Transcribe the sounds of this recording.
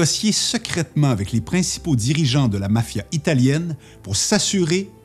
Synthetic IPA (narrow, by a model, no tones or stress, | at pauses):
ɔsjesəkχɛt̪mɑ̃avɛklepχɛ̃si̥pod̪iʁiʒɑ̃d̪əlamafjait̪aljɛn | puʁsasyʁe